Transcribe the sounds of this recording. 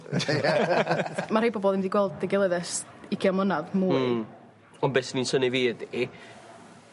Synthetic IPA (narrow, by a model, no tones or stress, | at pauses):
maɾejboːbɔlˠɪmdiɡwɛlˠdːɛɡɛlˠəðɛsɪɡjamˠənaðmuɨ | ɔnbɛsninsəniviːdi